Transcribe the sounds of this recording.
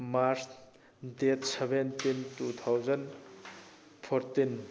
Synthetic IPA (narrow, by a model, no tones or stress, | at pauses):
maɾs | detsebentintut̪ʰawzɐn | pʰoɾtin